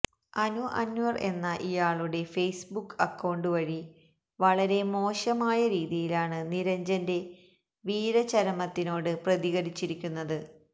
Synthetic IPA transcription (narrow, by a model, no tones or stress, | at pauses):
ɐnuʔɐ̰njuɐre̞̰nːɐʔijaːɭuɽe̞fe̞jsbukːɐkːɐwɳɖɨʋɐɻi | ʋɐɭɐɾe̞mo̞ːɕɐmaːjɐɾiːðijilaːɳɨniɾɐɲd͡ʑɐnde̞ | ʋiːɾɐt͡ɕɐɾɐmɐt̪ːino̞ːɽɨprɐðiɣɐɾit͡ɕːiɾikʲːunːɐðɨ